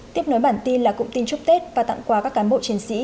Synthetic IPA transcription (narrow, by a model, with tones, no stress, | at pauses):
t̪i˦˥əp̚no˨˦jɓaː˧˩nt̪i˧nlaː˨˩kʊ̰˧˥ŋ͡mt̪i˧nt͡ɕʊ˦˥k͡p̚t̪e˦˥t̚vaː˨˩t̪a̰˧˨ŋkwaː˧˩kaː˦˥kːaː˨˦nɓo̰˧˨t͡ɕi˨˦ənsḭ˧˥